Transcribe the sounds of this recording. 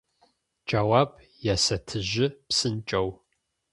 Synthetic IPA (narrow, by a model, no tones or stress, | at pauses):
d͡ʒawaːb | jɛsɐtʰɨʑɪpsɨnt͡ʃʼɐw